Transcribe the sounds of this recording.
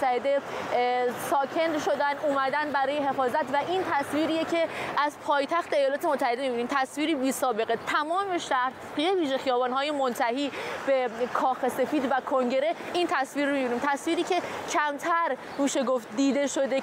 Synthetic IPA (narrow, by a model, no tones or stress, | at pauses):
t̪ʰːæhed̪e̞ | sɒːkʰe̞nd̪ʃo̞d̪ænd̪uːmæd̪ænbæɾɒːje̞ɦe̞fɒːzæt̪ʰvæʔint̪ʰæsviːɾiːjecʰe̞ʔæzpʰɒːjt̪ʰæxt̪ʰeejɒːlɒːt̪e̞mot̪ʰːæhe̞d̪emibiniːmt̪ʰæsviːɾiːbiːsɒːbe̞ɣet̪ʰæmɒːme̞ʃæɾt̪ | ieviːʒe̞xijɒːbɒːnɦɒːje̞mont̪ʰæhiːb̥e̞kʰɒːxe̞se̞fiːd̪vækʰo̞ŋɟe̞ɾe̞int̪ʰæsviːɾːomibiniːmt̪ʰæsviːɾiːcʰe̞cʰæmt̪ʰæɾ | miːʃe̞ɡoft̪̚d̪iːd̪e̞ʃo̞d̪e